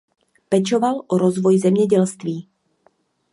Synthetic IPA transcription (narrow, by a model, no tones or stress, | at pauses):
pɛt͡ʃo̞valʔoɾozvo̞jzɛmɲɛɟɛlst̪viː